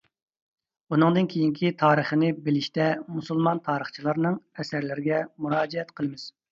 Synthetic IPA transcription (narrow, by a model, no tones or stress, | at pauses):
unɨŋd̪ɨnkʲʰejiŋkʲʰit̪ʰɑːɾəχənɪbɪlɪʃt̪ɛmusulˠmɑnt̪ʰɑːɾəχt͡ʃʰilˠɑɾnɨŋɛsæɾlɪɾɪɡʲɛmuɾɑːd͡ʒɛɛt̪qʰəlˠɨmɪz̥